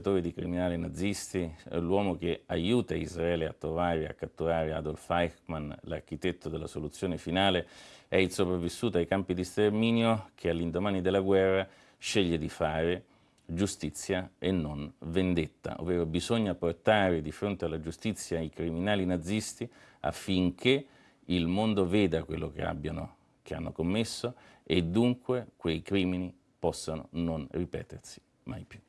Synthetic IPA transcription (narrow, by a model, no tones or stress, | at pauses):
t̪oːɾid̪ikɾiminaːlinad̪zːist̪ḭlwɔːmok̟eajuːt̪aizraɛːlea̰t̪ːɾovaːɾea̰kːat̪ːuɾaːɾea̰d̪olfajkmanla̰rk̟it̪ɛt̪ːod̪elːasolut̪sːjoːnefinaːleɛilsopɾavːisːuːt̪ajkampid̪ist̪ermiːnjokʰealːind̪omaːnid̪elːaɡwɛrːa | ʃeʎːed̪ifaːɾe | d͡ʒust̪it̪sːjaenːonvend̪et̪ːa̰ʔo̰vːɛːɾobizoɲːaport̪aːɾed̪ifɾont̪ealːad͡ʒust̪it̪sːjaikɾiminaːlinad̪zːist̪ia̰fːiŋk̟ʰe | ilmond̪ovɛːd̪akwḛlːok̟ḛa̰bːjano̰ | k̟ea̰nːokomːesːo | ed̪ːuŋkwekwejkɾiːmini | pɔsːano̰nonripɛ̰ːt̪ersi̥ | ma̰jpju